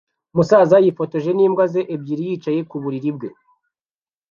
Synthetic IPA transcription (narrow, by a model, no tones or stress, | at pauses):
musaːzajifo̞to̞ʒe̞niːmɡwaze̞ʔebɟiːɾijiːt͡ʃaje̞kuβuɾiɾib̚ɡe̞